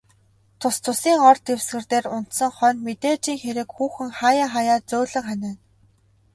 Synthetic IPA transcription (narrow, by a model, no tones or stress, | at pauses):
t̪ʰʊst̪ʰʊsiːŋɔrt̪ewsɡɘ̆rt̪eːrʊn̥t̪sə̆ŋχœnmet̪eːt͡ɕiːŋxeɾɘ̆kxuːxɘ̆ŋχajaːχajaːt͡sʊːɮə̆ŋχanæːn